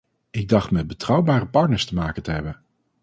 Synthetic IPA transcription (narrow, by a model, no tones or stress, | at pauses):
ɪɡ̚dɑχtmɛd̚bətrʌwbaːrəpɑɹtnəɹstəmaːkəntəɦɛbən